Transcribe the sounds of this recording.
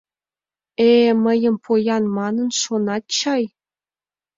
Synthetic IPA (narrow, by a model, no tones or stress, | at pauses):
eməjə̆mpʰojɑnmɑnə̆nʃonɑt̪̚t͡ɕɑj